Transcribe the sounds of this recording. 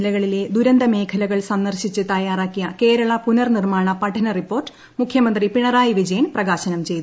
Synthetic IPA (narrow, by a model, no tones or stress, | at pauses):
lɐɣɐɭile̞d̪uɾɐnd̪ʱɐme̞ːkʰɐlɐɣɐɭsɐnːɐrɕit͡ɕːɨt̪ɐjaːraːkːijɐke̞ːɾɐɭɐpunɐrnirmaːɳɐpɐʈʰːɐnɐripːo̞ːrʈːɨ̥ | mukʰjɐmɐnd̪ripiɳɐraːjiʋid͡ʑɐjɐnprɐɣaːɕɐnɐmt͡ɕe̞jt̪u